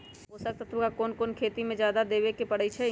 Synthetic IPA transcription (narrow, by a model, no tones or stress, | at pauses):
ɦoːsək̚t̪ət̪ʰɾʊkakoːnkoːnkʰeːt̪imẽd͡ʒjaːd̪ad̪eːʋekepɐɽ̤əit͡ʃʰɛ